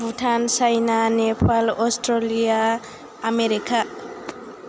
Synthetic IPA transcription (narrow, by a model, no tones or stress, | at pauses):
bʱuʈʰansajnanepʰalosʈɾolijaː | meɾika